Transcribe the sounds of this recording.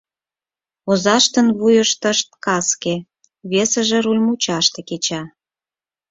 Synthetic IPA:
ozɑʃt̪ənβujəʃt̪əʃt̪̚kɑske | βesə̆ʒĕɾulʲmut͡ɕɑʃt̪ĕket͡ɕɑ

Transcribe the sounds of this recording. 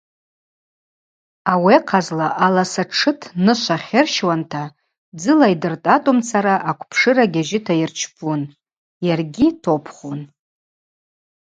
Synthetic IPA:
aweqʰazlaʔalasaʈ͡ʂʰɨtʰnɨʃʷaχʲɪrʃwantʰa | d͡zɨlaidɨrtʼatʼomt͡sʰaɾaʔakʷʰʼpʰʂɨɾaɡʲaʒɪtʰajirt͡ʃʰpʰʼun | jarɡʲitʰopʰχun

